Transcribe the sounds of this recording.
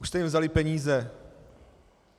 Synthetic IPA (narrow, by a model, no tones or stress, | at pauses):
uʃst̪ɛjimvzalɪpɛɲiːzɛ